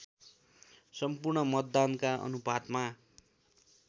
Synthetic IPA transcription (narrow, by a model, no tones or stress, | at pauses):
sʌmpurɳʌmʌd̪ːankaʔʌ̰nubʱad̪ma